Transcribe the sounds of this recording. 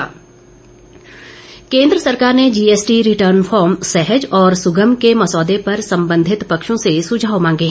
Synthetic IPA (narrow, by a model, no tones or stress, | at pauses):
a̰ | kẽːnd̪ɾəsɐɾkaːɾned͡ʒiːeːsʈiɾɪʈəːɾnfʰɔːɾmsɛɦəd͡ʒɔːɾsʊɡəmkemɐsɔːd̪epɐɾsɐ̃mbə̃nd̪ʱɪt̪pɐkʃõsesʊd͡ʒʱaːʋmãːŋɡe